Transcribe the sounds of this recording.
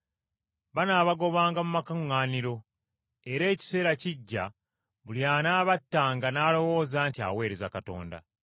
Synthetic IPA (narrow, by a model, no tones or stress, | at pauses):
βanaːβaɡo̞βaːŋɡamumakaŋːaːniɾo̞ | e̞ɾe̞ːci̥se̞ːɾaciɟːa̰ | βuljaːnaːβatːaːŋɡanaːlo̞wo̞ːzaːntia̰we̞ːɾe̞zakato̞̰ːnda̰